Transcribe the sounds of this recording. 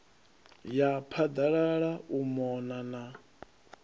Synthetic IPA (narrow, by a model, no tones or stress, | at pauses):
japʰad̪aɺaɺaumɔnana